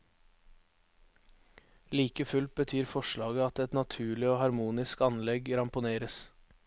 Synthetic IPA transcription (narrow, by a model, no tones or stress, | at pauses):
liːkəfʉlt̪̚bət̪ʰyːɾfɔʃɭɑːɡəɑt̪ɛt̪nɑt̪ʰʉːɭɪoːhɑɾmuːnɪskɑnlɛɡɾɑmpʊneːɾəs